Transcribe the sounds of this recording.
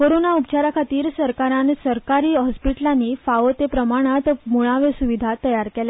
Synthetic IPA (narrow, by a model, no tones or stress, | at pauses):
koɾonaupt͡ɕaɾakʰat̪iːɾsəɾkaɾãnsəɾkaɾiːɦɔspiʈlãnːiːfaʋot̪epɾəmaɽ̃at̪muɭ̃aʋesuʋid̪ʱat̪əjaɾkela